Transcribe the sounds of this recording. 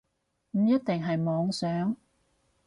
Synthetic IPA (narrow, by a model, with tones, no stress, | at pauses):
m̩˨˧jɐ˥t̚t̪ɪ˨ŋɦɐ˨jmɔː˨˧ŋsœː˨˥ŋ